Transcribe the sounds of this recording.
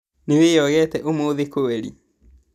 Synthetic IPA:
newejɔɣɛtɛʔomoðekoweɾḭ

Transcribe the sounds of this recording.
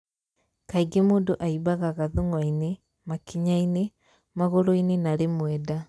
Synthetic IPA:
kaiɡemoːndoʔaibaɣaɣaðuŋwaine | makiɲaine | maɣoɾoinenaɾemwɛda

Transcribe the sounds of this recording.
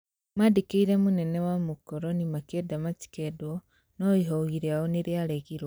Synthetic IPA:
madikeiɾemunenewamukoɾonimakedamaci̥kedwo | noiɦoɣiɾaoniɾjaleɣiɾwa

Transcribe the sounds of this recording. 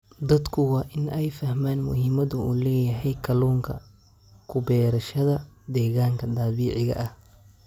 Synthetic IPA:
d̪ɐd̪kʰʊwɑːʔɪnɛjfɐhmaːnmʊ̰ɦɪːmɐðʊuːlɛːjɐɦɛjkʰɐlɔːŋkʰɐ̰ | kʰʊbɛːɾɐʃɐðɐd̪ɛːɣaːŋkʰɐt̪aːβiːʕɪɣɐ̰ʔɐh

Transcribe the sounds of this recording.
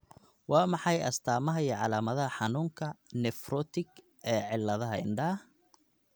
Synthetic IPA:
wɑːmɑħɑjɐ̰st̪ʰaːmɐɦɐiːʕɑlaːmɐðɐɦɐħɑnuːŋkʰɐnɛfrɔːt̪ʰɪɡ | ɛːʕɪlːɐðɐɦɐɪ̰ɳɖɐh

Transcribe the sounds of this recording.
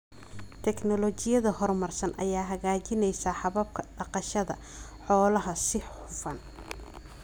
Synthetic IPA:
t̪ʰɛknɔlɔt͡ʃɪjɐðɐhɔrmɐrsɐnʔɐ̰jaːɦɐɣaːt͡ʃɪnɛjsɐħɑβɐb̚kʰɐɖɑqɑʃɐðɐ̰ | ħɔːlɐɦɐsɪħʊfɐn

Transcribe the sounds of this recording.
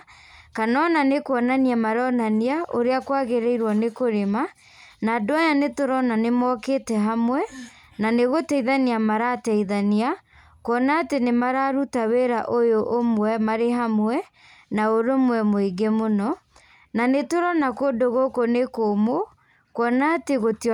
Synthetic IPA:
kanɔnanekwɔnaniamaɾɔnaniaʔoɾeakwaɣeɾeiɾwɔnekoɾema | naːdoajanetoɾɔnanemɔkeːtɛɦamwɛ | naneɣotɛiðaniamaɾatɛiðania | kwɔnaːtenemaɾaɾutaweɾaʔojoʔomwɛmaɾeɦamwɛ | naoɾomwɛmoiɡemonɔ | nanetoɾɔnakodoɣokonekomo | kwɔnaːteɣoti

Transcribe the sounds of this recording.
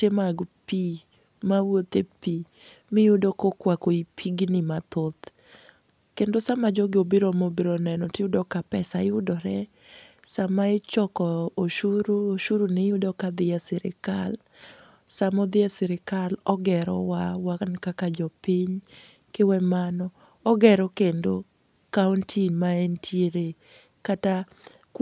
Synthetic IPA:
temaɡpi | mawot̪epi | mɪjʊdokokwakoipʰiɡnimat̪ot̪ | kendosamad͡ʒɔɡɪobiɾɔmobiɾɔnɛnɔtɪʊdɔkapɛsajʊdɔɾɛ | samaɪt͡ʃɔkɔoʃuɾuoʃuɾunɪjʊdɔkad̪ɪjasɪɾɪ̰kal | samɔd̪ɪjasɪɾɪkalɔɡɛɾɔ̰wawaknkakad͡ʒɔpiɲ | kɪwɛmanɔ | ɔɡɛɾɔkendo | kauntʰinmaɛntʰjeɾe | kata

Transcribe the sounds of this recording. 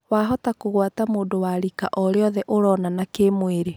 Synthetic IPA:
waːɦɔtakoɣwatamoːndowaɾikaʔɔɾeɔðɛʔoɾɔnanakemweɾe

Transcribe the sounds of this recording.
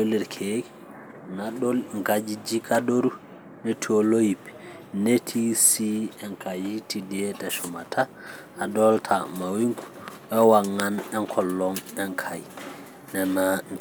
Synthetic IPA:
olɛɾkʰe | naolŋkad͡ʒid͡ʒikadoɾu | netʰiolojipɛ̥ | netʰisiɛŋkʰajitidɛtɛsɔmatʰaː | dɔltʰamawiŋku̥ʔɛwaŋːanɛŋkʰɔlːɔŋɛŋkʰaj | nɛna

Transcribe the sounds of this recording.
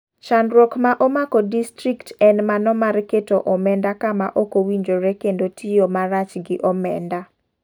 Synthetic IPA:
ʃanɾokmaʔomakodistɾiktɛnmanɔmaɾketoʔɔmɛndakamaʔokowiɲd͡ʒoɾekendotʰijomaɾat͡ʃɡɪʔɔmɛnda

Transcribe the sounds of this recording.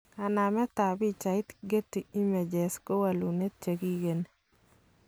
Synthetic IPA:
anamɛt̪abit͡ʃait̪ɡet̪ːiimɛd͡ʒɛskowalunet̚t͡ʃeɡiɡen

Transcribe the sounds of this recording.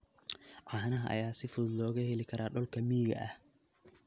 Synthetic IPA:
ʕɑhnɐɦɐʔɐ̰jaːsɪfʊðlɔːɣɐhɛlɪkʰɐɾʔaːɖɔlkʰɐmiːɣɐ̰ʔɐ̰h

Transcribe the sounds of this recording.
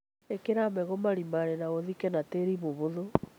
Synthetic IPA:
ekeɾamɛɣɔmaɾimaɾenaoðikɛnateɾiβoβoðo

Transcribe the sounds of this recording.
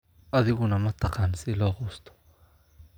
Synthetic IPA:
ʔɐðɪɣʊnɐmɐt̪ʰɐqɑːnsɪlɔːqʊːst̪ʰɔ̥

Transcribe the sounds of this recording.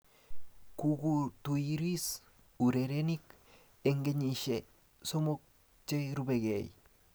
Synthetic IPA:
kuɡut̪uiɾis | uɾeɾenik | eŋɡeɲiʃe | somok̚ | t͡ʃeɾubeɡḛj

